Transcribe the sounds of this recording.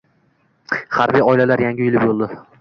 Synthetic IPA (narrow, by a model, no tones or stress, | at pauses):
haɾbijɒɪlalaɾjaŋɡʲɪjʊlɪpbolˠd̪ɪ